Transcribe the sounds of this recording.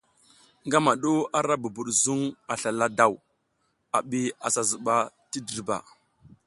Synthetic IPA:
ŋɡa˦ma˨ɗu˦a˦ɾa˦bu˨bu˨ɗzu˦ŋa˨ɬa˨la˦da˨w | a˨ɓi˦a˨sa˨zə˨ɓa˨ | ti˦di˨ɾba̰˨

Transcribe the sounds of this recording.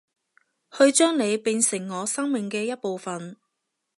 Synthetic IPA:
hɵ˧ɥt͡ʃœː˥ŋne˨˧jpiː˧nsɪ˨˩ŋːɔː˨˧˥sɐ˥ŋmɪ˨ŋkɛː˧jɐ˥t̚po˨wfɐ˨n

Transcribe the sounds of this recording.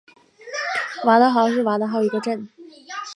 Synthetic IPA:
wa˧˥d̪ə˧xɑ˧˥ʊʂ̬ɻ̩˥˩wa˧˥d̪ə˧xɑ˥˩ʊi˧˥ɡə˧ʈ͡ʂə˥˩n

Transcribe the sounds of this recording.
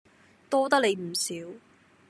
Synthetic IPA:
t̪ɔː˥t̪ɐ˥k̚le˨˧jm̩˨˩siː˨˥w

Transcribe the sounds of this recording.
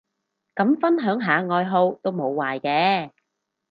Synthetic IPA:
kɐ˨˥mfɐ˥nɦœː˨˥ŋɦaː˨˧ŋɔː˧jɦo˧wt̪o˥wmo˨˧wwaː˨jkɛː˧

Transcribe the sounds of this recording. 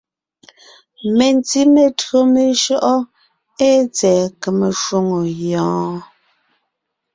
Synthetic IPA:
me˨nti˦me˨tɰo˦me˨ʃɔ˦ʔɔ˦ | e˦t͡sɛː˨ke˨me˨ʃwo˦ŋo˨jɔ̃ː˨˦

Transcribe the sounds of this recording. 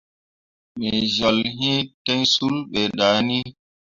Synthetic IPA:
mɛ˨zɔ˨lɦĩ˦tɛ˦nsu˦lɓɛ˨ɗa˨˦ni˦

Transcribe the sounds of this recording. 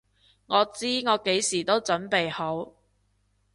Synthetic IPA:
ŋɔː˨˧t͡siː˥ŋɔː˨˧ke˨˥jsiː˨˩t̪o˥wt͡sɵ˨˥npe˨jho˨˥w

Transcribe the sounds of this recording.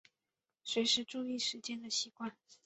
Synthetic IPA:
swe˧˥ɪʂɻ̩˧˥ʈ͡ʂu˥˧i˥˩ʂɻ̩˧˥t͡ɕjɛ˥nd̪ə˨ɕi˧˥kwa˥˩n

